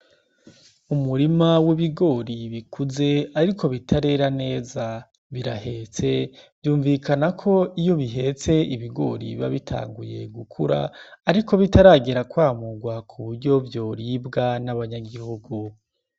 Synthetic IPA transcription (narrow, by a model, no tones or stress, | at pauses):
umuɾimawiβiɡo̞ːɾiβikʰuze̞aɾikʰo̞βitʰaɾe̞ɾane̞ːza | βiɾahe̞t͡se̞bjuːɱvikanakʰo̞ijo̞βiɦe̞t͡se̞iβiɡo̞̰ːɾḭβa̰βitʰa̰ːŋɡuje̞̰ɡukʰuɾa̰ːɾikʰo̞βitaɾaːɡeɾakwaːmuɡwakʰuβuɾɟo̞vjo̞ːɾibɡanaβaɲaɡihuɡu